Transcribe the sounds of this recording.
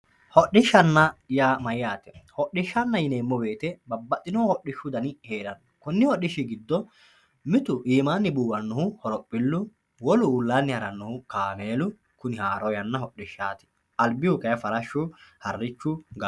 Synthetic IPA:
hɔʔɪʃːɐnːɐjaːmɐjjaːt̪ɛ̥hɔɗɪʃːɐnːɐjɪneːmːɔbe̞ːt̪ɛbɐbːɐt̪ʼːɪnoːhɔɗɪʃːʊd̪ɐnɪhe̞ːɾɐn | kʊnːɪhɔʔːɪʃːɪɡɪd̪ːɔ | mɪt̪ʊʔiːmaːnːɪbuːwɐnːʊɦʊhɔɾɔpʼːɪlːʊ | wɔlʊːlːaːnːɪhɐɾɐnːʊhʊkaːmeːlʊ | kʊnɪhaːɾɔjɐnːɐɦɔɗːɪʃːaːt̪ɪ̥ | ɐlbɪjʊkɐjɐfɐɾɐʃːʊhɐrːɪt͡ʃːʊɡɐ

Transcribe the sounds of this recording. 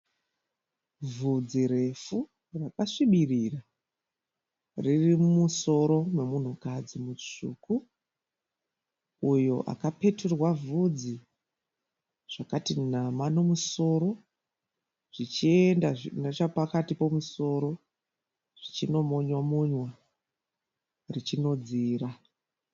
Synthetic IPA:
vud͡ziɾe̞fu | rakaʂiɓirira | ririmuso̞ɾo̞me̞mun̤ukad͡zimut͡ʂṵːku | ujo̞̰ʔa̰kape̞turwavud͡zi | ʐ̥akatinamano̞muso̞ɾo̞ | ʐ̥it͡ʃiendaʐinet͡ʃapakatipo̞muso̞ɾo̞ | ʐ̥it͡ʃino̞moɲwamuɲwa | rit͡ʃino̞d͡ziːra

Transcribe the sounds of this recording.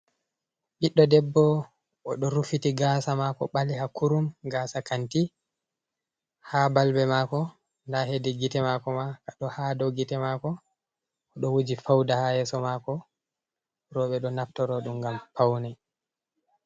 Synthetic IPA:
ɓiɗːɔdɛbːɔ | ɔɗɔɾufitiɡasamakɔ̰ɓalihakʰuɾumɡasakanti | habalbɛmakɔ | ndaɦedɛɡitɛmakɔmakaɗɔhadɔɡitɛmakɔː | ɗɔwud͡ʒifawdahajɛːsɔmakɔ | ɾɔɓɛɗɔnaftɔɾɔɗumɡampawnɛ

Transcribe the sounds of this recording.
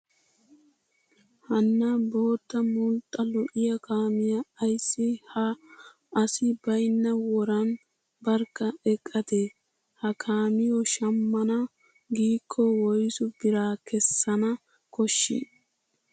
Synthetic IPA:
hɐnːɐbo̞ːt̪ːɐmʊlt̪ʼːɐlɔʔɪjɐkaːmɪjɐɐjsːɪhɐː | sɪbɐjnːɐwɔɾɐn | bɐɾkːɐɛkʼːɐd̪ɛ | hɐkʰaːmɪjɔʃɐmːɐnɐ | ɡiːkʰːɔwɔjsʊbɪɾaːkʰɛsːɐnɐ | kɔʃːɪ̰

